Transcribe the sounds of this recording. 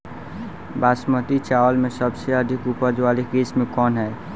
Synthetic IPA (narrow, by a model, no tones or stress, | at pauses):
basmət̪it͡ʃawəlmesəbseəd̪ʱikupəd͡ʒwalikesmekɔnɦɛ